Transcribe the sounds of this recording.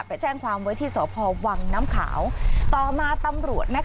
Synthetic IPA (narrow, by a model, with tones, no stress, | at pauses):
t̚pa˧jt͡ɕɛː˥˩ŋkʰwaː˧mwa˦˥jt̪ʰiː˥˩sɔ̰ː˨˩˦pʰɔː˧wa˧ŋnaː˦˥mkʰa̰ː˩˦wt̪ɔː˨˩maː˧t̪a˧mɾu˨˩ət̪̚na˦˥